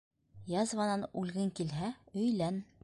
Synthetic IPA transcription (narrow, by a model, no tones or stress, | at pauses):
jɑzvɑnɑnʉlɡɘŋkilɦæɵ̆jlæn